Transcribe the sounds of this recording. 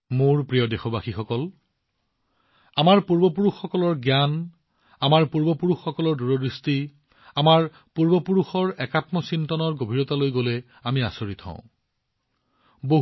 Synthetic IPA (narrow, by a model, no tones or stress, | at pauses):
moɹpɹijɔdexɔbaxixɔkɔl | amaɹpuɹbɔpuɹuxːɔkɔlɔɹɡjan | amaɹpuɹbɔpuɹuxːɔkɔlɔɹduɹɔdɹisti | amaɹ | puɹbɔpuɹuxɔɹɛkatmɔsintɔnɔɹɡobʱiɹɔtalojɡolɛ | amia̰soɹit̪ʰɔ̰̃ʊ̰̃ | boɦ